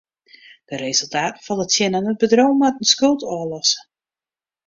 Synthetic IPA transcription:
d̥ərezəlˠtaːtəfɔnˠdətsjɪnanət̚bədrowmatənskølˠtɔəlɔsə̥

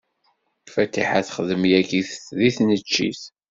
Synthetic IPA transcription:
fæt̪ːḭħæθχðəmjækiθəsðiθnət͡ʃːḭθ

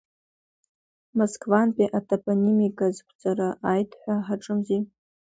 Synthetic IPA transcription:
moskʰʼvanpʼiʔatʰapʼonʲimikʼazkʷʰʼd͡zʼaɾaʔajtʰħʷaħaʈ͡ʂʼɨmzi

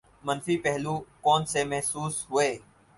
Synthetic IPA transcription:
mənfiːpɛɦluːkoːnseːmɛɦsuːsɦʊeː

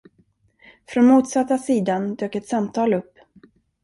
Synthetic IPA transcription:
fɾɔnmuːt̪sat̪ːasiːd̪and̪øːkɛt̪samt̪ʰɑːlɵpː

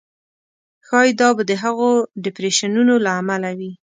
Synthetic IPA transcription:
xɑjd̪ɑbad̪əɦaɣoɖɪpɾeʃanunolaːmalawi

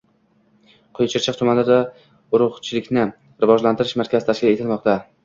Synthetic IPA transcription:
qʰojt͡ʃʰɪɾt͡ʃʰɪqt̪ʰʊmanlad̪a | ʊɾʊʁt͡ʃʰɪlɪkʲnɪ | ɾɪvɒd͡ʒlant̪ʰɪɾɪʃmaɾkʲʰazɪt̪ʰaʃkʲɪle̞t̪ʰɪlˠmɒqt̪a

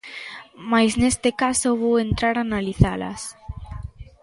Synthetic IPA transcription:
majsnest̪ɪkasoβowent̪ɾaɾanaliθalɐ̰s

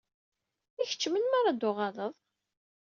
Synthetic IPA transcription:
içə̥t͡ʃːmənmaɾˤɑd̪ʊʁɑðˤəðˤ

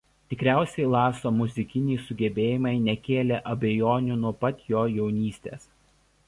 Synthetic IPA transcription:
t̪ʲɪkɾʲæˑʊsʲɛɪlˠɑːsoːmʊzʲɪkʲɪnʲɛɪsʊɡʲɛbʲeːjɪmɐɪnʲɛkʲeːlʲeːʔɐbʲɛjoːnʲʊnuɔpɐt̪ʲjoːjɛʊnʲiːsʲt̪ʲḛːs

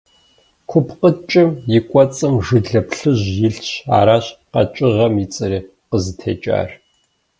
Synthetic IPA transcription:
kʷʰʊpqət͡ʃʼɪmjɪkʷʼɔt͡sʼɨmʒɨɮɐpɬɨʑjɪɬɕa̰ːɾaːɕqɐ̰t͡ʃʼɪʁɐmit͡sʼɨɾiː | qəzɨtʰḛːt͡ʃʼa̰ːr

